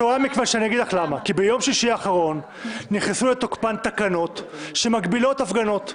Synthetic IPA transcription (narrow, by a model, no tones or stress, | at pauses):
oamikvaʃeanijaɡid̪laχlamakibejo̞mʃiʃiaːχaʁo̞nː | iχesulet̪o̞kpant̪akano̞t̪ʃe̞maɡbilo̞t̪afɡano̞t̪